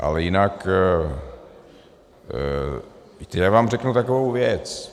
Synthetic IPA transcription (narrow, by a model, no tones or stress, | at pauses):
ʔa̰lɛjɪnak | t̪ɛjaːvaːmrɛknut̪akovowvjɛt͡s